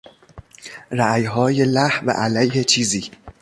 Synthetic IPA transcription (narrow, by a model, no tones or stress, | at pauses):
ræjɦɒːjelæhvæ̰ʔælæjhet͡ʃʰiːziː